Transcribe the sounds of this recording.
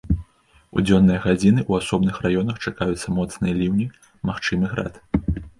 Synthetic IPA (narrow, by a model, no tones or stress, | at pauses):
ṵd͡zʲɔnːɨjɐɣad͡zʲin̪ɨʔuasɔbnɨxrajɔn̪ɐxt͡ʂakajut̪sːɐmɔt̪snɨjɐlʲiwnʲi | maxt͡ʂɨmɨɣɾa̰t̪